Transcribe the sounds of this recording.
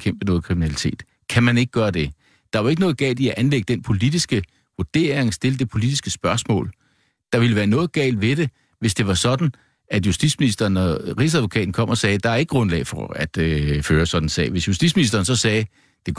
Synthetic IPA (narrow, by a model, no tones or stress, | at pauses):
kʰem̰b̥ənɔ̽ːð̩ˠkʰʁiminælit͡sʰe̝̰ːd̥ | kʰæmæne̝ɡ̥̚ɡ̥ɶːɐd̥e̝ | d̥ɑ̈ʋɑ̈e̝ɡ̥ənɔ̽ːð̩ˠɡ̥ɛ̰ːld̥iæʔænleɡ̥əd̥enpʰo̝lid̥isɡ̥ə | ʋoɐd̥e̝̰ːɐeŋsd̥e̝ləd̥e̝pʰo̝lid̥isɡ̥əsb̥ɶɐsmɔ̰̽ːl | d̥ɑ̈ʋiləʋæːɐnɔ̽ːðˠɡ̥ɛ̰ːld̥ʋe̝ɾ̥e̝ | ʋe̝sd̥e̝ʋɑ̈sɒ̽d̥n̩ | æd̥jusd̥ḭd̥sminisd̥ɐːnɒʁḭsæðˠʋo̝kʰɛ̰ːd̥n̩kʰɒ̽m̰ɒ̽sɛːd̥ɑ̈æɐe̝ɡ̥ə̥ɡʁɔ̽nlɛ̰ːɪfɒæd̥føːɐsɒ̽d̥n̩sɛ̰ːʋe̝sjusd̥ḭsminisd̥ɐːnsɒ̽sɛː | d̥e̝